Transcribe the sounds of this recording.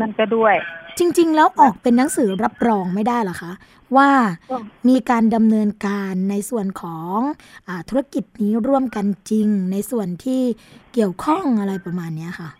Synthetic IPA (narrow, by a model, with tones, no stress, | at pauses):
ɯ˧˥˨nkɔ˥˩du˥˩əjt͡ɕi˧ŋt͡ɕi˧ŋlɛː˦˥wʔɔː˨˩k̚pe˧nːa˦˥ŋsɯː˩˦ɾa˦˥p̚ɾɔː˧ŋma˥˩jdaː˥˩jla˨˦˩kʰa˦˥ʔ | waː˥˩miː˧kaː˧nda˧mnɤː˧nkaː˧nːa˧jsu˨˩ənkʰɔː˩˦ŋ | ʔaː˨˩t̪ʰu˦˥a˧˥˩ki˨˩t̪̚niː˦˥ɾu˥˩əmka˧nt͡ɕi˧ŋna˧jsu˨˩ənt̪ʰiː˥˩ki˨˩əwkʰɔ˥˩ŋʔa˧ɾa˧jpɾa˧maː˧nːi˦˥ɐkʰa˥˩